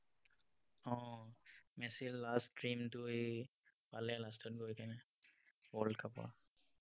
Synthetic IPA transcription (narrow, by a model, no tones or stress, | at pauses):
ɔ | mɛsilːastɹimdu | balɛlastʰɔtɡojkanɛ | wɔɹlɖkʰapa̰